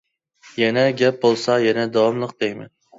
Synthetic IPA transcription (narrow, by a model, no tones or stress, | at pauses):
janaɡʲap̚bolˠsajanad̪awɒmlˠɨq̚d̪ejma̰n